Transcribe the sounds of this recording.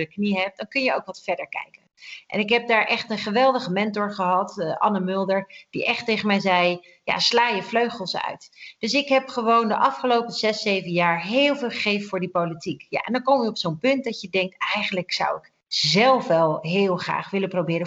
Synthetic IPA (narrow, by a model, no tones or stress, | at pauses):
əkniɦɛp̚d̥ɑŋkɵnjəowkʋɑtfɛɹdəɹkɛ̰jkənʔɛ̰nɪkɦɛb̚daːɹʔɛχtənχəʋɛlˠdəχəmɛntʊɹχəɦɑtʔɑnəmʏlˠdəɹd̥ḭʔɛχtejχənmɛjzɛj | ja̰slaːjəfløɥχəlˠsœ̰ɥtd̥ɵsɪkɦɛpχəʋowndəʔɑfχəlowpəzɛsejvənjaːɹɦɪːlˠvɪːlˠχəχejfəfʊːɹdipowlitikja̰ʔɛ̰ndɑŋkowmiɔpsownpɵnt̚dɑcjədɛŋk̚tɛjχənləksɑ̰wɪk | zɛlˠfʋɛlˠɦɪːlˠχra̰ːχʋɪləprowbɪːɾə